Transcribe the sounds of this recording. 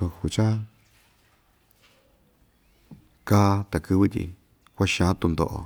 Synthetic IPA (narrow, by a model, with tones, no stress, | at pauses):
u˧hu˧t͡ʃa˦ | ka˦t̪a˨kɨ˧βɨ˦t̪ʲḭ˧ | kʷa˦ʃã˧˨˦t̪u˧nd̪o̰˧ʔo̰˧